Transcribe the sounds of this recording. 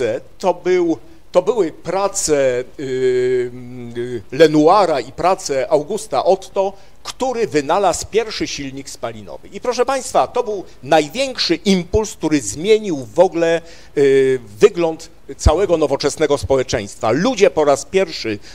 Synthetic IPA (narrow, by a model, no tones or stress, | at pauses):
ɛt̪ɔbɘw | t̪ɔbɘwɘpɾat̪sɛ | lɛnuaɾaipɾat̪sɛʔawɡust̪aʔɔt̪ːɔ | kt̪uɾɘvɘnalaspʲjɛɾfʂɘɕilɲikspalʲinɔ̰vɘ̰ipɾɔʂɛpaj̃st̪fat̪ɔbɘw | najvʲjɛŋkʂɘʔimpulsk̚t̪uɾɘzmʲjeɲiwvɔɡlɛ | vɘɡlɔnt̪ | t̪sawɛɡɔnɔvɔt͡ʂɛsn̪ɛɡɔspɔwɛt͡ʂɛj̃st̪fa̰lud͡ʑɛpɔɾaspʲjɛɾfʂɘ